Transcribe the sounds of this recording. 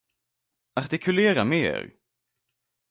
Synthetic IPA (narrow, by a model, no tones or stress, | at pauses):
aɾt̪ɪkʰɵleːɾa̰mḛːɾ